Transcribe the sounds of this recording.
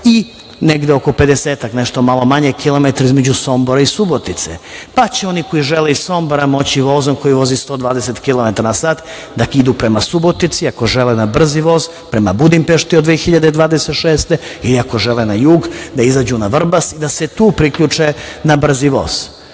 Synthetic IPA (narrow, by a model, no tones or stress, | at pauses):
i | neɡd̪eo̞ko̞pe̞d̪eseːt̪akneʃt̪o̞malˠo̞maɲekʰilˠo̞met̪aɾaizme̞d͡ʑuso̞mboɾaisubot̪it̪sḛpat͡ɕeo̞niko̞iʒeleisso̞mboɾamo̞t͡ɕiʋo̞ːzomko̞jiʋo̞zist̪od̪ʋaːd̪eset̪kilˠo̞met̪aɾanasaːt̪ | d̪akid̪upɾe̞masubo̞t̪it̪siako̞ʒelenabr̩ziʋo̞ːz | pɾemabud̪impeʃt̪iod̪ʋexiʎad̪ed̪ʋaːd̪e̞set̪ʃeːst̪eiliako̞ʒelenajuːɡd̪aizad͡ʑunaʋr̩basid̪aset̪uːpɾikʎut͡ʂenabr̩ziʋo̰ːz̥